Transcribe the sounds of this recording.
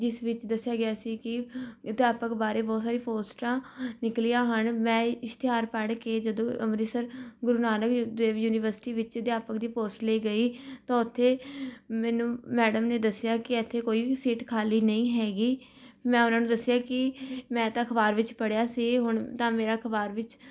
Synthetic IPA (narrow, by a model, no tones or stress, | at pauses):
d͡ʒɪsʋɪt͡ʃd̪əsːjaːɡɪjaːsiːkɪd̪jaːpəkbaːɾeːbɔːt̪saːɾiːpoːsʈãːnɪkliːãːɦənmɛ̃ːɪst̪ɪɦaːɾpəɽkeːd͡ʒəd̪õːʔəmɾiːsəɾɡʊɾuːnaːnəkːd̪eːʋjuːnɪʋəɾsɪ̥ʈiːʋɪt͡ʃd̪jaːpəkd̪iːpoːsʈleːɡəiːt̪ãːʊt̪ʰːeːmɛ̃ːnũːmɛːɖəmneːd̪əsɪjaːkɪɛt̪ʰːeːkoːiːsiːʈkʰaːliːnəĩːɦɛːɡiːmɛ̃ːʊnãːnũːd̪əsɪjaːkɪmɛ̃ːt̪ãːkʰəbaːɾʋɪt͡ʃpəɽjaːsiːɦʊɳt̪ãːmeːɾaːkʰəbaːɾʋɪt͡ʃ